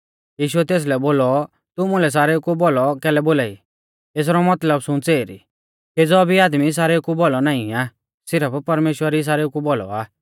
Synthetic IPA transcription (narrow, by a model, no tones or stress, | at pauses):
jiːʃuɛt̪eːs̬lɛboːlɔ | t̪ʊmũlɛs̬aːɾekubɔlɔkɛːlɛboːlaːḭ | eːs̬ɾɔmɐt̪ləbsʊ̃t͡seːɾḭ | ed͡zɔbʱiaːd̪mis̬aːɾekubɔlɔnaːĩaː | sɪɾəppɐɾmeːʃwəɾis̬aːɾekubɔlɔ̰aː